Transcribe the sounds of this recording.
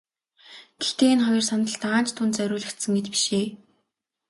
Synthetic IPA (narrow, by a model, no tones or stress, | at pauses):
ɡ̥ext̪eːenχɔjɞ̆rsanə̆ɬt̪aːnt͡ɕt̪ʰːʊnt̪t͡sœɾʲʊːɮə̆xt̪sɘ̆ŋɡet͡ɕpi̥ʃeː